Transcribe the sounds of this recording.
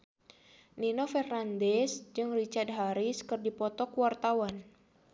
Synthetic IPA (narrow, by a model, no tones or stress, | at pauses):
ninofɛrnandɛsd͡ʒɨŋrit͡ʃard̪̚ɦaɾiskɨrdipɔt̪ɔkuwart̪awan